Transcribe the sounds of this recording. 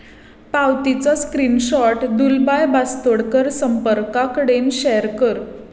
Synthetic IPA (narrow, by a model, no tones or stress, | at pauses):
pawt̪it͡saskɾinɕɔʈd̪ulbajbast̪oɽkəɾsəmpəɾkakəɽenɕɛəɾkəɾ